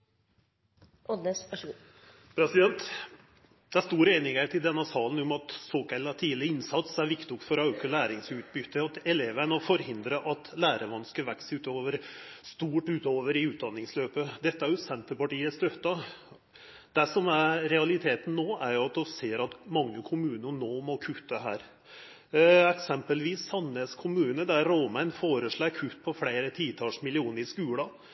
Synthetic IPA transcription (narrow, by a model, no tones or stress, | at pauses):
ɔd̪eɑʂ | pʰɾɛsɪd̪ɛnt̪ | d̪̥ɛæst̪uːɾeɪnɪŋæt̪ʰɪld̪ɛnːɑsɑːln̩ʊmɑt̪soːkæɪlːɑt̪ʰiːlɪəɪnsɑt̪sæɾʋɪkt̪ɪʊkfɔɾɑʉkəlæːɾɪŋsʉːt̪̚bʏt̪ʰːəɑt̪ɛleːʋənɔfɔɾhɪnd̪ɾəʔɑt̪læːɾəʋɑnskəʋæksʉːt̪oːʋəɾst̪uːʈʉːt̪oːʋəɾɪʉːt̪̚d̪ɑnːɪŋsløːpəd̪ɛt̪ːəæɾjʊsɛnt̪əɾpɑʈiːəst̪œt̪ːɑ | d̪æʂɔmæɾɾɛɑlɪt̪ʰeːt̪n̩nːoːʔæɾjʊɑt̪̚d̪ɔseːɾɑt̪mɑŋːəkʰʊmʉːnənoːmɔkʰʉt̪ʰːəɦæ̰ːɾ | ɛksɛmpəlʋiːsɑnːəskʰʊmʉːnəd̪æɾːoːmænfoːɾəʂɭɑːkʰʉt̪ːpʰɔfɽeɪɾət̪ʰiːt̪ʰɑːʂmɪlɪuːnəɾɪskʉːlɑ